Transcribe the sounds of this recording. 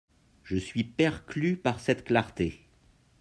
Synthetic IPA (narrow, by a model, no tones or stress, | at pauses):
ʒəsɥipɛʁklypaʁsɛt̪klaʁt̪e